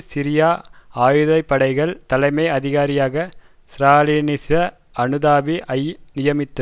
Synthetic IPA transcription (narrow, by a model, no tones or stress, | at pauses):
sɪɾɪjaːaːjɯðɐɪpːɐɽɐɪɣɐɭt̪ɐlɐɪmɐɪɐðɪɣaːɾɪjaːɣɐ | sɾaːliːnɪsɐ | ɐɳɯðaːʋiʔɐjnɪjɐmɪt̪ːɐ